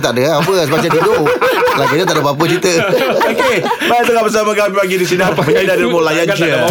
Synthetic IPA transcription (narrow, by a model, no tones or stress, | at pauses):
t̪aʔdəapəsəbat͡ʃat̪idolaɡadət̪aʔdəbap̬ət͡ʃit̪əokebajt̪əŋabəs̬amãɡamipaɡidis̬inaməɲidadimolajand͡ʒə